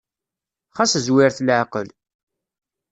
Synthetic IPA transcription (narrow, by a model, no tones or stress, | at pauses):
χaszwɪɾθlʕqəl